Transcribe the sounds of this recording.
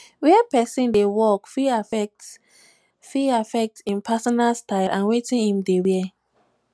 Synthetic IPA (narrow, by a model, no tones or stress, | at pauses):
wɛɛpɛsĩndewɔkfiafɛk̚t | fiafɛk̚tsĩnpʰasɔnalstaɪlʔãnwetĩnhĩmdewɛ